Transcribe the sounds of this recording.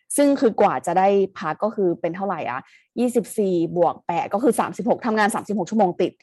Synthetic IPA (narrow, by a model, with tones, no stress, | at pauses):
sɯ˥˩ŋkʰɯː˧kwaː˨˩t͡ɕa˨˩da˥˩jpʰa˦˥kːɔː˥˩kʰɯː˧pe˧nt̪ʰa˥˩wɾa˨˩jʔa̰˨˩ | jiː˥˩si˨˩p̚siː˨˩bu˨˩ək̚pɛː˨˩kɔː˥˩kʰɯː˧saː˩˦msi˨˩p̚ho˨˩k̚t̪ʰa˧mŋaː˧nsaː˩˦msi˨˩p̚ho˨˩t͡ɕʰmoː˧ŋt̪i˨˩t̪̚